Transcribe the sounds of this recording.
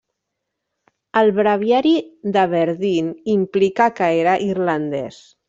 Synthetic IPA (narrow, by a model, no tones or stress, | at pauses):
əlˠβɾaβ̞jaɾiðəβəɾðinimplikakəeɾəʔirlaənd̪ɛs